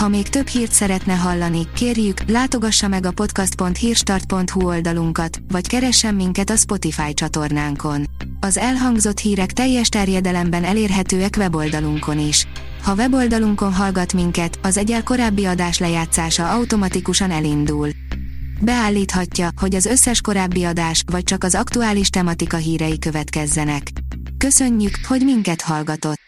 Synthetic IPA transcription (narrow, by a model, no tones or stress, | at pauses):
hɒmeːkt̪ø̞bhiːrt̪sɛɾɛt̪nɛɦɒlːɒnikeːrjyklaːt̪o̞ɡɒʃːɒmɛɡɒpo̞t̪kɒst̪̚po̞nt̪hiːrʃt̪ɒrt̪̚po̞nt̪huo̞ld̪ɒluŋkɒt̪vɒckɛɾɛʃːɛmːiŋkɛt̪ɒspo̞t̪ifaːjt͡ʃɒt̪o̞rnaːŋko̞n | ɒzɛlɦɒŋɡzo̞t̪hiːɾɛkt̪ɛjːɛʃt̪ɛrjɛd̪ɛlɛmbɛnɛleːrɦɛt̪øːɛkʋɛbo̞ld̪ɒluŋko̞niʃ | hɒvɛbo̞ld̪ɒluŋko̞nɦɒlɡɒt̪miŋkɛt̪ɒzɛɟɛlko̞ɾaːbːiɒd̪aːʃlɛjaːt̪saːʃɒɒwt̪o̞mɒt̪ikuʃɒnɛlind̪uːl | bɛaːlːiːt̪hɒcːɒho̞ɟɒzø̞sːɛʃko̞ɾaːbːiɒd̪aːʃʋɒc̚t͡ʃɒkɒzɒkt̪uaːliʃt̪ɛmɒt̪ikɒɦiːɾɛjikø̞vɛt̪kɛzːɛnɛkː | ø̞sø̞ɲːykho̞ɟmiŋkɛt̪hɒlɡɒt̪o̞t̪ː